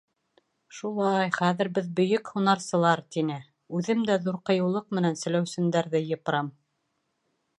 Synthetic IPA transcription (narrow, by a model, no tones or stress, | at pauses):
ʃulˠɑjχæðɘ̆ɾbɘðbɵ̆jɵkhunɑɾsɤ̆lˠɑɾt̪inɘ | ʉðɘmd̪æðuɾqɤ̆jɤ̆wlˠɤq̚mɘ̆nænsɘ̆læwsɘ̆md̪æɾðɘjɤ̆p̆ɾɑm